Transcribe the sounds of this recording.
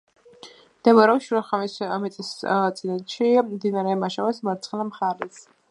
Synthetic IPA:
d̪̥ɛmaɾɛʃuɾaχamɛsmɛt̪sʼist̪sʼid̪ɛt̪ʃimd̪inaɾɛmaʃavɛsmaɾt̪sʰχɛlamχaɾɛs

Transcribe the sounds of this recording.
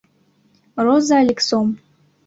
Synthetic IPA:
rozalʲiksom

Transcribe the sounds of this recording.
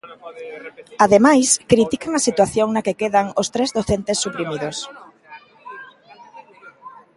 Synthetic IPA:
aðemajskɾit̪ikaŋɐsit̪waθjoŋnakekeðaŋost̪ɾezðoθent̪esːupɾimiðos

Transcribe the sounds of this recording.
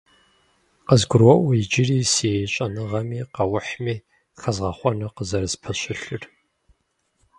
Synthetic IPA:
qəzɡʷʊrwɔʔʷʊjɪd͡ʒɪriːseɕʼɐnɨʁɐmiːqɐwʊħmiː | xɐzʁɐχʷɔnɨqəzɐɾɨspʰɐɕɨɬɨr

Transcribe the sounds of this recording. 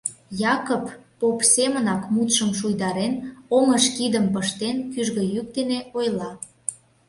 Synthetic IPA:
jɑkopː | opsemənɑkmut̪ʃəmʃujd̪ɑɾenoŋəʃkid̪əmpəʃt̪enkyʒɣə̆jyk̚d̪eneojlɑ

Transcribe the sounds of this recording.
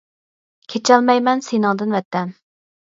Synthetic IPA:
kʲʰet͡ʃʰɛlmɛjmɛnsejnɨŋd̪ɨnvɛt̪ːɛn

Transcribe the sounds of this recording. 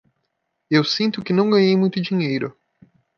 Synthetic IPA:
ewsĩnt̪ʊkɪnɐ̃w̃ɡɐ̃ɲejmũj̃t̪ʊd͡ʒiɲejɾʊ

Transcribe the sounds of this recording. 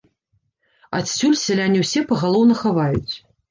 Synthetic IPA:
a̰t̪sʲulʲsʲɛlʲanʲːiwsʲɛpɐɣalˠɔwnɐxavajut͡sʲ

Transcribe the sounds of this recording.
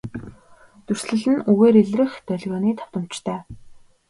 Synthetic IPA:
t̪ɵr̥sɮɘ̆ɮɘ̆nuɣeːɾeɮrɘ̆xt̪œɮʲɣʲɔːniːt̪ʰɔ̥w̥t̪ə̆mt͡ɕt̪ʰœː

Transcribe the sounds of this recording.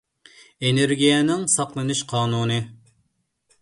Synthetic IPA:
eneɾɡʲijɛnɪŋsɑqlˠɨnɨʃqʰɑːnuːnɨ

